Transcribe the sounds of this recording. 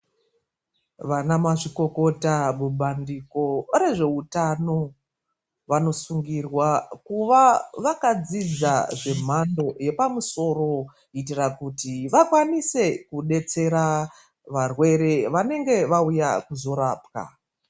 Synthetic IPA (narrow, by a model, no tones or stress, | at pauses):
ʋanamaʐiko̞ko̞taɓuɓandiko̞re̞ʐe̞utano̞ | ʋano̞suŋɡirwakuʋaʋakad͡zid͡zaʐe̞m̤ando̞je̞pamuso̞ro̞ | itirakutiʋakwanise̞kuɗe̞t͡se̞ɾa | ʋarwe̞ɾe̞ʋane̞ŋɡe̞ʋaujakuzo̞ɾaːp̚ka̰